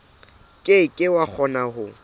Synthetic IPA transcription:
kʼekʼɪwak͡xʰɔnaɦʊ

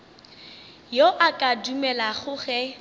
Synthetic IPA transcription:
joʔakʼadumɛlaɣʊχɛ

